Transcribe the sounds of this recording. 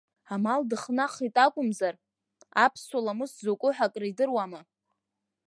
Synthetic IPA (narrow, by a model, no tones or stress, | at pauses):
amaldɨχnaχitʼakʷʼʊmzar | apʰsalamɨszokʷʼʊħakʼraidɨrwama